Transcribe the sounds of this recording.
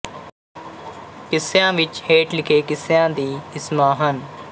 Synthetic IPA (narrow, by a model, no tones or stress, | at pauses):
kɪsjãːʋɪt͡ʃheːʈlɪkʰeːkɪsjãːd̪iːɪsmaːɦən